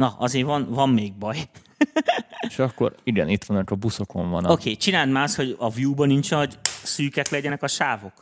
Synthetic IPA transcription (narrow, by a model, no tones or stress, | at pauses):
nɒʔɒzeːvɒnvɒmːeːɡ̚bɒj | ʃɒkːo̞̰ɾiɡɛ̰nit̪ʋɒnːɒkɒbusokoɱvɒ̰nokeːt͡ʃinaːd̪maːst̪ho̞ɟɒvjuːbɒnint͡ʃnɒɟsyːkɛklɛɟɛnɛkɒʃaːvo̞k